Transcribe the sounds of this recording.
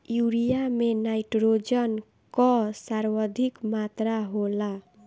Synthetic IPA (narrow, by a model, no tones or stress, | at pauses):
juɾijamenajʈrod͡zʌn | kʌsaɾwʌd̪ʱikmat̪raɦola